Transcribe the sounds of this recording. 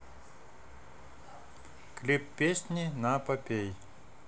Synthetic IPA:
klʲipːʲesʲnʲinapɐpʲej

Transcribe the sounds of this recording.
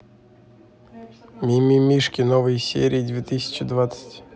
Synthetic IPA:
mʲimʲimʲiʂkʲɪnovɨjsʲḛɾʲijːd̪ʲvʲet̪ɨsʲɪ̥t͡ɕɪd̪vat̪sə̥tʲ

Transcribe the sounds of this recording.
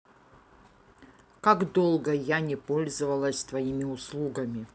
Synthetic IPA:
kaɡd̪o̞lˠɡəjanʲɪpo̞lʲzɨvɐlˠəsʲst̪vɐimʲɪʊslˠuɡɐmʲɪ

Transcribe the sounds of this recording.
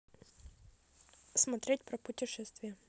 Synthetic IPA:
smɐt̪ɾʲet̚ʲpɾɐpʊtʲɪʂɛst̪vʲɪjə

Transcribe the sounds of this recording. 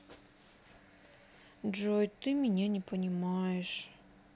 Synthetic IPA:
ʐojt̪ɨmʲɪnʲanʲɪpənʲɪmajɛʂ

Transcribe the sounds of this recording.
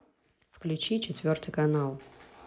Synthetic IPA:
fklʲʉt͡ɕit͡ɕɪt̪ʲvʲo̞rt̪ɨjkɐnalˠ

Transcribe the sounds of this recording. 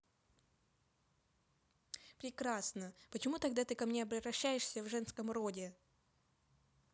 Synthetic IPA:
pɾʲɪkɾasnəpət͡ɕɪmut̪ɐɡ̚d̪at̪ɨkɐmnʲeɐbɾʲɪvɾɐɕːæjɪʂsʲəvʐɛnskəmɾo̞dʲɪ

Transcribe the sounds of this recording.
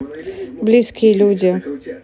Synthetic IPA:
blʲiskʲilʲudʲɪ

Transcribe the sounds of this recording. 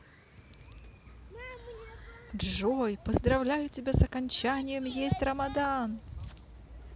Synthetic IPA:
dʐojpəzd̪ɾɐvlʲæjʊtʲɪbʲasɐkɐnʲt͡ɕanʲɪjəmjesʲtʲrəmad̪an

